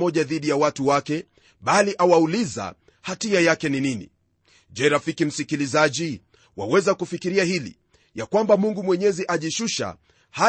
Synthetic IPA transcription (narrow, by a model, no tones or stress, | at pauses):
ɔʄaðiɗijawatuwakɛ | ɓaliʔawauliza̰ | hatiajakɛnininḭ | ʄɛɾafikim̩sikilizaʄi | wa̰wɛzakufikiɾiahilḭ | jakwambamuŋɡumwɛɲɛziʔaʄiʃuʃa̰ | ha